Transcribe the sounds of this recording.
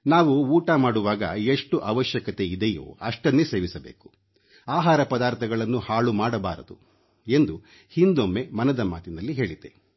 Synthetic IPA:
naːʋuuːʈamaːɽuʋaːɡɐ̰eʂʈuʔɐʋɐʃjɐkɐt̪e̞id̪ɛjo̰ːɐʂʈɐnːese̞ːʋisɐbeːku̥ | aːɦaːɾɐpɐd̪aːɾt̪ʰɐɡɐɭɐnːuhaːɭumaːɽɐbaːɾɐd̪u | e̞nd̪u | hind̪omːe̞mɐnɐd̪ɐmaːt̪inɐlːiɦe̞ːɭid̪e

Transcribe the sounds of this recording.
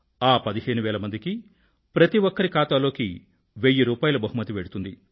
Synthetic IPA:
aːpɐd̪iɦe̞ːɳuʋɛːlɐmɐnd̪iki | pɾɐt̪iʋɔkːɐɾikaːt̪aːlo̞ːki | ʋeːjːiɾuːpaːjɐlubɐɦumɐt̪iʋeːɽut̪und̪i

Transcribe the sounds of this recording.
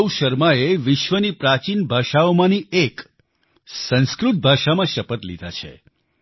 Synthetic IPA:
wʃəɾmaeʋɪʃʋənipɾat͡ʃinbʱaʃaomãniek | sə̃nskɾut̪̚bʱaʃamãʃəpət̪lḭd̪ʱat͡ʃʰḛ

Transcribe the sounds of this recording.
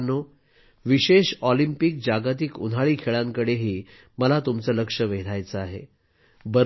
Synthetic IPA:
nːo | ʋiɕeɕɔlimpik̚d͡ʑaɡat̪̬ikṵnʱaɭiːkʰeɭãŋkəɽeɦiː | məlat̪umt͡sələkʂəʋeɽajt͡səaɦḛ | bəɾ

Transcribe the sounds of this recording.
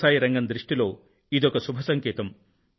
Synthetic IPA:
aːjɾɐŋɡɐnd̪ɾiʂʈilo̞ː | id̪ɔkɐsubʱɐsɐŋkeːt̪ɐm

